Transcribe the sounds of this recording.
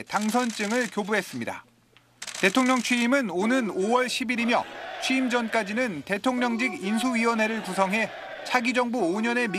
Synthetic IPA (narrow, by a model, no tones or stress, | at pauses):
taŋsʰʌnt͡ɕ͈ɯŋɯɭkjobuɦe̞s͈ɯmɲida̰ | te̞tʰoŋɲʌŋt͡ɕʰɥiːmɯnonɯnowʌɭɕʰibiɾimjʌt͡ɕʰwiːmd͡ʑʌnk͈ad͡ʑinɯnte̞tʰoŋɲʌŋd͡ʑiɡins̬ʰuɥiwʌnɦe̞ɾɯɭkusʰʌŋɦe̞ | t͡ɕʰaɡid͡ʑʌŋbuoɲʌne̞mi